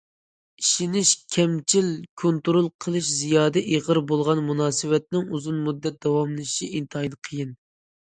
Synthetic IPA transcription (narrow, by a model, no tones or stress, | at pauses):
iʃinɪʃkʲʰɛmt͡ʃʰilkʰont̪uɾolˠqʰəlˠɨʃzijɑːd̪ɛʔiʁəɾbolˠʁɑnmunɑːsɨwɛt̪nɪŋuzunmud̪ːɛt̪̚d̪ɑwɑmlˠɨʃiint̪ʰɑjlˠɨqʰəjɪn